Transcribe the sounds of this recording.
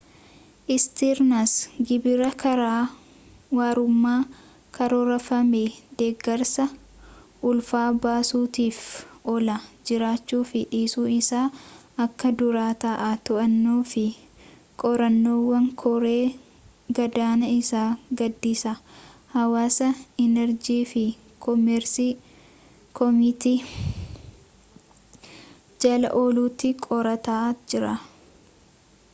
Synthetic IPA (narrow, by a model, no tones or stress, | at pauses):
ʔɪst̪iːɾnɐsɡɪbɪɾɐkɐɾaː | waːɾʊmːaː | kʰɐɾɔɾɐfɐmed̪̥eːɡːɐɾsɐ | ʔʊlfaːbaːsuːt̪iːfɔlɐd͡ʒɪɾaːt͡ʃːuːfɪᶑiːsuːɪsaː | ɐkːɐd̪ʊɾaːt̪ɐʔat̪ɔʔɐnːoːfɪ | kʼɔɾɐnːoːwːɐŋkʰɔɾe̞ː | ɡɐd̪aːnɐɪsaːɡɐd̪ːiːsɐhɐwaːsɐɛnɛɾd͡ʒiːfɪ | kɔmɛɾsi | kɔmɪt̪iː | d͡ʒɐlɐ̰ʔoːluːt̪ːɪkʼɔɾɐt̪aːʔd͡ʒɪɾɐ̰